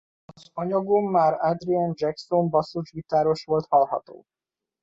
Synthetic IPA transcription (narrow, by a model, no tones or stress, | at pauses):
ɒzɒɲɒɡomːaːɾad̪riand͡ʒɛkso̞ɱbɒsuʒɡit̪aːɾo̞ʃʋo̞lt̪hɒlɦɒ̰t̪o̰ː